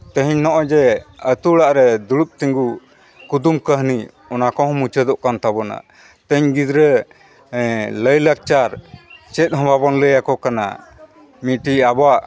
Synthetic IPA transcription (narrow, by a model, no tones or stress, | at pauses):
t̪ə̃ɦiɲnɔʔɔd͡ʒɛət̪uɽaʔɾɛd̪uɽut̪̚ˀt̪iŋɡu | kud̪umkəɦni | ɔnakɔɦɔ̃mut͡ʃəd̪ɔʔkant̪abɔna̰ | t̪ə̃ɲɡid̪ɾə | ləjlak̚t͡ʃaɾt͡ʃɛt̪̚ɦɔ̃babɔnləjakɔkana̰ | miʈiabaʔ